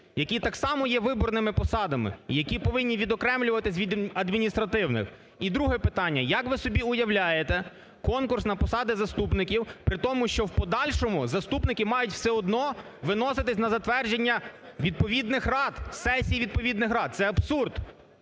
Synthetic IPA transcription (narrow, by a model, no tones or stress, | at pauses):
jɐkʲit̪ɑksɑmɔjɛʋɪbɔrnɪmɪpɔsɑd̪ɐmɪ̰jɐkʲipɔʋɪnʲːiʋʲid̪ɔkɾɛmlʲʊʋɐt̪ɪs̬ʲʋʲid̪ɐd̪mʲinʲist̪ɾɐt̪ɪwnɪ̰x | id̪ɾuɦɛpɪt̪ɑnʲːɐjɐkʋɪsɔbʲiʊjɐwlʲajet̪ɛ | kɔnkʊrsnɐpɔsɑd̪ɪzɐst̪upnɪkʲiwpɾɪt̪ɔmʊʃt͡ʃɔwpɔd̪ɑlʲʃɔmʊzɐst̪upnɪkɪmɑjʊtʲw̥sɛɔd̪nɔʋɪnɔsɪt̪ɪsʲnɐzɐt̪ʋɛrd͡ʒenʲːɐ | ʋʲid̪̚pɔʋʲid̪nɪxrɑd̪sɛsʲijiʋʲid̪̚pɔʋʲid̪nɪxɾɑt̪̚sɛɐbsurd̪